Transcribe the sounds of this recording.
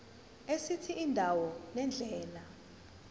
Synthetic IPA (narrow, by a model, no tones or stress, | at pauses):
esitʰiʔindʱawɔnɛnd͡ɮʱɛːla